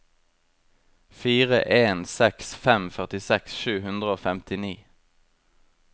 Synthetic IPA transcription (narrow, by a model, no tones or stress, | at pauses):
fiːʁə̰ʔeːnsɛksfɛmfœʁt̪ɪsɛksʃʉːhʉnd̪ʁəoːfɛmt̪ɪniː